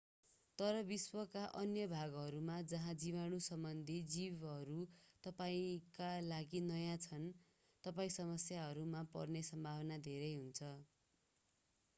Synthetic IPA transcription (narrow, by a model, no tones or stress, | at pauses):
t̪ʌɾʌbiswʌkaʔʌnjʌbʱaɡɦʌɾumad͡zʌɦãd͡ziβanusʌmbʌnd̪ʱid͡ziβɦʌɾut̪ʌpaĩkalaɡinʌjãt͡sʰʌn | t̪ʌpaĩsʌmʌsjaɦʌɾumapʌ̰rnesʌmbʱawʌnad̪ʱeɾʌjɦunt͡sʰʌ